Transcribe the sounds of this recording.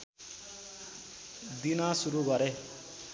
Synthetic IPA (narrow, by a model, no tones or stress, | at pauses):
d̪inasuɾuɡʌɾe